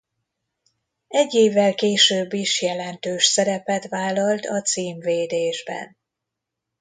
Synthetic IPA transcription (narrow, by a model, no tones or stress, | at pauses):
ɛɟːeːvːɛlkeːʃøːbːiʃjɛlɛnt̪øːʃsɛɾɛpɛt̪vaːlːɒlt̪ɒt̪siːmveːd̪eːʒbɛ̰n